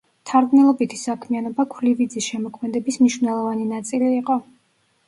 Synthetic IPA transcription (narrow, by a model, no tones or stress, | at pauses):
t̪ʰaɾɡmnɛlˠɔbit̪ʰi̥sakʰmianɔbakʰlivid̪zisʃɛmɔkʰmɛd̪ɛbismniʃvnɛlˠɔvaninat̪sʼiliːqʼɔ